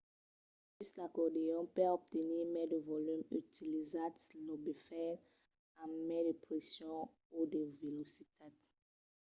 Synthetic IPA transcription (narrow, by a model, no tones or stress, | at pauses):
pyslakɔdejɔ̃pɛɔp̚t̪enimɛdevɔlỹmy̰tilizadslɔbifɛ | amɛdepʁɛsjɔ̃ | odevelosit̪ʰad